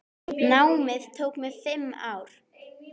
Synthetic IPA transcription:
naːwmɪðt̪ʰoːwkmɛðfɪmːaːwɾ̥

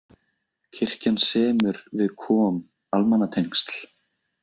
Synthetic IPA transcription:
cʰɪr̥cansɛːmʏɾvɪðkʰɔːm | almanːat̪ʰejŋ̥st̪l̥

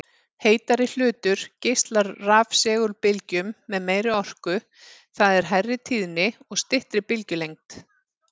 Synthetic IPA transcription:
heːjt̪aɾɪl̥ʏːt̪ʏɾ̥cejst̪laɾːaːfsɛːɣʏɾpɪlcʏmːɛðmeːjɾɪɔr̥kʏ | θaðɛɾ̥ɦajrːɪt̪ʰiːðnɪɔɣst̪ɪht̪ɾɪpɪlcʏlejŋ̚t̪

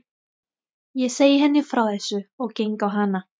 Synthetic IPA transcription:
jɛsejhɛnifrɔɛsɨɔɡ̥eŋɡɔɦana

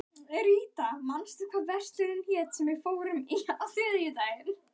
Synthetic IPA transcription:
ɾiːt̪amanst̪ʏkʰvaːðvɛr̥t̪lɪɾɪnçɛːt̪sɛmvɛɣfoːwɾʏmiaθɪːðɪjʏt̪aːjɪn

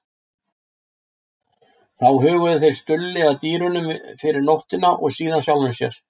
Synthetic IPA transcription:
θawɦʏːɣʏðʏθejɾ̥st̪ʏlːɪaðt̪iːɾʏnʏmfɪɾɪɾnɔht̪ɪnaʔɔɣsiːðansjawlʏmsjɛ̰ɾ̥

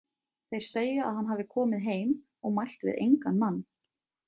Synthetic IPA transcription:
θejɾ̥seːjʏa̰ðhanɦavðɪkʰɔːmɪðɦeːjm | ɔɣmajl̥t̪vɪ̰ðʔḛjŋkanmanː

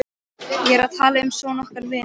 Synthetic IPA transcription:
jɛɾaðt̪ʰaːlaʏmsɔnɔhkaɾvɪ

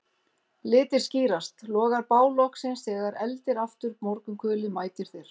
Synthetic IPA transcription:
lɪːt̪ɪɾ̥sciːɾast̪lɔːɣaɾpaːwlɔhksɪnsɛːɣaɾɛlt̪ɪɾaft̪ʏɾmɔɾkʏmkʰœːlɪmaːjt̪ɪɾ̥θeɾ̥

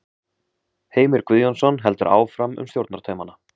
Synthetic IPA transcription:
heːjmɪɾkviːðjɔnsɔnɦɛl̪t̪ʏɾʔa̰ːwfɾamʏ̰mst̪jowɾt̪naɾt̪ʰœɥmana

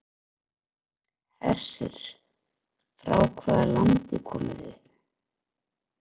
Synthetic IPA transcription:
hɛr̥sɪɾ̥ | fɾawkʰvaːðaɾlant̪ɪkʰɔːmɪðɪð

